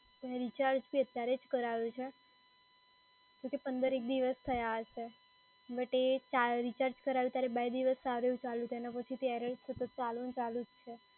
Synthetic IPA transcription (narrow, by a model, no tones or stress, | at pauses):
t̪jaɾeɾit͡ʃaɾd͡ʒpiət̪jaɾed͡ʒkəɾaʋũt͡ʃʰe | d͡ʒokepənd̪əɾek̚d̪iʋəst̪ʰəjaɦəʃe | ʋəʈet͡ʃaɾit͡ʃaɾd͡ʒkəɾaʋjũt̪jaɾebajd̪iʋəsaʋɾəjũt͡ʃalũt̪ʰenapət͡ʃʰit̪eɛɾəɭsət̪ət̪̚t͡ʃalõnt͡ʃalud͡ʒt͡ʃʰe